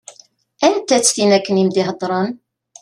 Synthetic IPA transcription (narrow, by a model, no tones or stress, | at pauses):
ænt̪æt͡sːθinækːənimd̪ɪhəd̪ˤɾˤɑn